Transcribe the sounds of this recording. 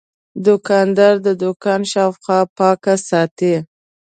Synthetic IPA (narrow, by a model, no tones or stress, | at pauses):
d̪ʊkɑnd̪ɑɾd̪əd̪ʊkɑnʃɑfxɑpɑkasɑt̪e